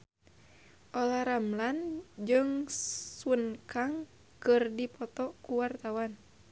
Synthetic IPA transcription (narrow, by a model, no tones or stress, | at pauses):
ʔɔlaɾamland͡ʒɨŋswənkaŋ | kɨrdipɔt̪ɔkuwart̪awan